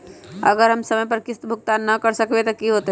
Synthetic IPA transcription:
ɐ̰ɡəɾɦɐmsɐməjp̬ɐɾkɪst̪bʱuk̚t̪anɐkəɾsəkʋet̪okiɦot̪e

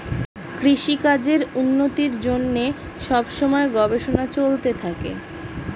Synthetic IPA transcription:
kɾiʃikad͡ʑeɾunːot̪iɾd͡ʑonːe | ʃɔbʃomɔeɡɔbeʃonat͡ɕolt̪et̪ʰakḛ

